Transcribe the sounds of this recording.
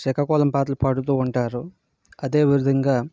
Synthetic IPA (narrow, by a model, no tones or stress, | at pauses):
sɛkɐkɔːlɐmpaːt̪ɐlupɐɽut̪̬uːɳʈaːɾu | ɐd̪e̞ːʋiɾud̪ʱɐŋɡaː